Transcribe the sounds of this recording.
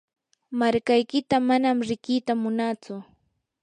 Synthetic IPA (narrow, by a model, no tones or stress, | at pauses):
maɾkajkɪt̪amanamɾɪkɪːt̪amʊnat͡sʊ